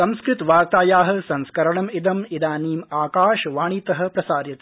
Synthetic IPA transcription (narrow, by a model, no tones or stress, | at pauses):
ɐ̃mskɾɪt̪ʋaːɾt̪aːjaːɦɐ̆sɐ̃nskɐɾɐɳɐmid̪ɐmid̪aːniːmaːkaːʃʋaːɳ̃it̪ɐɦɐ̆pɾɐsaːɾjɐt̪ː